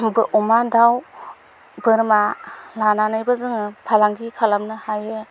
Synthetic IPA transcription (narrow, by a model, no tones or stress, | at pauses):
bɯʔɔmadaw | bɯɾmalananajbazɯŋɯpʰalaŋɡikʰalamnɯhajɯ